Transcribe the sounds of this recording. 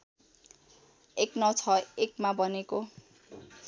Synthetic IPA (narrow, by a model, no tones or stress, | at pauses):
eknʌt͡sʰʌekmabʌneko